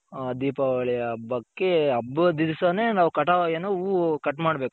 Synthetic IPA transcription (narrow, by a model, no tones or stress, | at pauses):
d̪iːpɐʋɐɭɛjɐbːɐkːeɐbːɐd̪idsɐnenaːʋukɐʈaʋajɐnuukɐʈːmaːɽbe̞ːku